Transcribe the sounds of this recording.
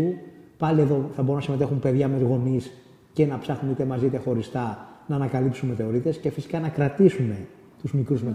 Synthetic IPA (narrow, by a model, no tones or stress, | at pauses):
upɐlieðo̞θɐbo̞ɾunɐsime̞t̪e̞xumpe̞ðʝɐmezɣo̞nis | cenɐpsɐxunit̪emɐzit̪exo̞ɾist̪ɐnɐːnɐkɐlipsunme̞θe̞o̞ɾit̪e̞sce̞fisi̥kɐnɐkɾɐt̪isume̞ | t̪uzmikɾuzme